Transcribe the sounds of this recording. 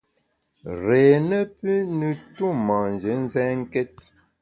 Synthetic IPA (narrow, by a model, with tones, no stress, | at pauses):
ɾeː˨nə˦pʉ˦nə˨tu˦ma˨n˨d͡ʒə˨˦n̩˦zɛ˦ŋ̩˦kɛ˦t̚